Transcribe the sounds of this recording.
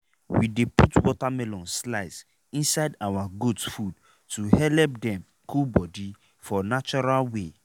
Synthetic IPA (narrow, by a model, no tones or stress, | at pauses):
wideputwɔtamɛlɔ̃nslaɪs | ĩnsaɪdawaɡudfud | tuhɛlɛp̚dɛ̃m | kulbɔdi | fɔnat͡ʃɔɹalwe